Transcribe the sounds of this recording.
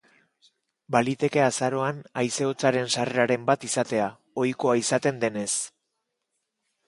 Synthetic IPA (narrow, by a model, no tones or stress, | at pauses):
balit̪e̞ke̞asaɾo̞anajse̞o̞t͡saɾe̞nsare̞aɾe̞mbat̪isat̪e̞a | o̞jko̞aisat̪e̞nd̪e̞ne̞s